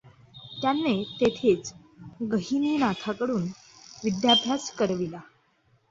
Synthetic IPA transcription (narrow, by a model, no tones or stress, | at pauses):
t̪janːet̪et̪ʰet͡s | ɡəɦiniːnat̪ʰakəɽuːn | ʋid̪jabʱjaskəɾʋila